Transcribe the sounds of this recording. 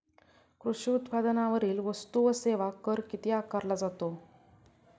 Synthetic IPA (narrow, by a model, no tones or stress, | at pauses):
kɾuʂiut̪pad̪ənaʋəɾiːlʋəst̪uʋəseʋakəɾkit̪iakaɾlad͡zat̪o